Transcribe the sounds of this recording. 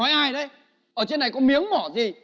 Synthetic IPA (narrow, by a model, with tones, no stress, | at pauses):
ɔ˨˦jʔaː˧jɗə˨˦j | ʔəː˧˩t͡ɕe˧nːa˨˩jkɔ˨˦mi˨˦əŋmɔ˧˩zi˨˩